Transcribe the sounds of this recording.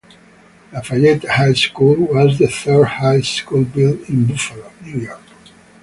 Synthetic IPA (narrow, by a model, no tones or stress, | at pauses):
afajɛt̪hajskulwɔzðəθɜdhajskulbɪlĩnbufəlonjujɔɹk